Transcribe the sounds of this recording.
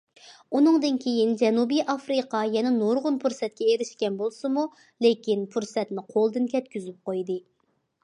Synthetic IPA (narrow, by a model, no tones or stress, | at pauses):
unɨŋd̪ɨnkʲʰejind͡ʒɛnubɨjʔɑfɾɨqʰɑjɛnɛnoɾʁʊnpʰuɾsɛt̪̚kʲɛeɾɪʃkʲɛnbolˠsɨmu | lekʲinpʰuɾsɛt̪nɪqʰolˠd̪ɨnkʲɛt̪kʲyzyp̚qojd̪ɨ